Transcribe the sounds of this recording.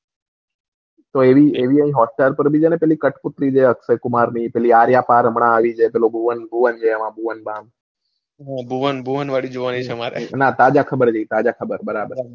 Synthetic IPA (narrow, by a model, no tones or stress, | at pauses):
t̪oeʋieʋiə̃ɦĩɦɔsʈaɾpəɾbʱid͡ʒenepɛlikəʈput̪ɾid͡ʒeəksəjkumaɾnipɛliaɾjapaɾəmɳãːʋid͡ʒʰepelobʱuʋənbʱuʋənd͡ʒʰeːmãbʱuʋənbãn | ɦãbʱuʋənbʱuʋənʋaɽid͡ʒoʋanit͡ʃʰemaɾḛnãt̪ad͡ʒakʰəbəɾd͡ʒeit̪ad͡ʒakʰəbəɾbəɾabəɾ